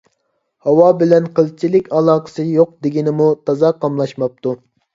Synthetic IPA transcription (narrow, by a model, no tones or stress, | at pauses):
hɑwɑbɪlɛnqʰəlˠt͡ʃʰilɪkʲɑlˠɑːqə̥sɨjoq̚d̪ɪɡʲinɪmut̪ʰɑzɑqʰɑmlˠɑʃmɑp̚t̪ʰu